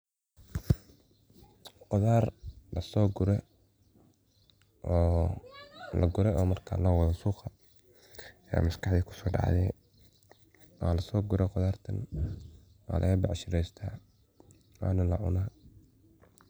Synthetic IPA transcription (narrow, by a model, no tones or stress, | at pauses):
qɔðaːrlɐsɔːɡʊɾɛ | ʔɔː | lɐ̰ɡʊɾɛʔɔːmɐrkʰa̰ːlɔːwɑðɐsuːqɐ | ja̰ːmɐskɑħðiːkʰʊ̥sɔːɖɑ̰ʕðɛ | wʔaːlɐsɔːɡʊɾɛqʊðaːrt̪ʰɐn | wa̰ːlʔɐ̰ɣɐbɑʕʃɪlɛjst̪ʰaː | a̰ːnɐlɐʕʊ̰naː